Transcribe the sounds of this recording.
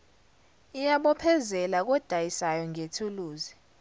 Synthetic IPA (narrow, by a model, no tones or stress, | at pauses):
ijaɓɔpʰɛzɛlak̬ɔd̥ʱajisajɔŋetʰuluːzi